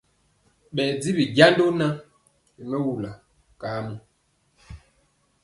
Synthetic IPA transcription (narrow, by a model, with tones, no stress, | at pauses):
ɓɛ˨d͡zi˦bi˨ɡa˦ndo˦na˦ | i˨mɛ˦wu˨la˨ | ka˨˦mu˦